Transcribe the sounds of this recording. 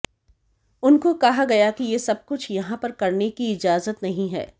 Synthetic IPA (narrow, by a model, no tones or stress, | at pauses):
ʊnkokɐɦaɡɐjakijesɐb̚kʊt͡ʃʰjɐɦãpɐɾkɐɾnekiɪd͡ʒaːzət̪nɐɦĩɦɛ̰ː